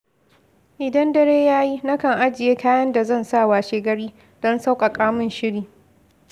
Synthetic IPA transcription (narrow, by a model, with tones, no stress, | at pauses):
ʔɪ˨dɐ˦ndɐ˦ɽeː˦jaː˦ji˦na˦kɐ˨ŋʔa˦d͡ʒɪ˨jeː˦kaː˦jɐ˦nda˨zɐ˦˨nsa˦˨waː˨ʃeː˦ɡɐ˦ɽiː˦ | d̥ɔ˦nsa˦wkʼa˨kʼaː˦mʊ˨nʃɪ˦ɽiː˨